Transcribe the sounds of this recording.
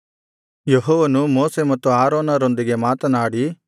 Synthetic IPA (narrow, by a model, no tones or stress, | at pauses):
jeɦɔːʋɐnumoːsemɐt̪ːuaːɾoːnɐɾo̞nd̪iɡe̞maːt̪ɐnaːɽi